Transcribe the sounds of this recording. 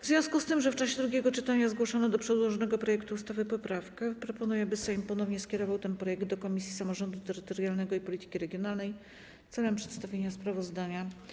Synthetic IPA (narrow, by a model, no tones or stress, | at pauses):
vzʲjɔ̃skust̪ɘmʐɛft͡ʂaɕɛd̪ɾuɡʲjɛɡɔt͡ʂɘt̪aɲazɡwɔʂɔnɔd̪ɔpʂɛd̪wɔʐɔnɛɡɔpɾɔjɛkt̪uːst̪avɘpɔpɾafkɛpɾɔpɔnujɛbɘsɛjmpɔnɔvɲɛskʲɛɾɔvawt̪ɛnpɾɔjɛɡ̚d̪d̪ɔkɔmʲisʲjisamɔʐɔnd̪ut̪ɛɾɘt̪ɔɾjalnɛɡɔipɔlʲit̪ɘ̥kʲiɾɛɡʲjɔnalnɛj | t̪sɛlɛmpʂɛ̥t̪st̪avʲjeɲaspɾavɔzd̪aɲa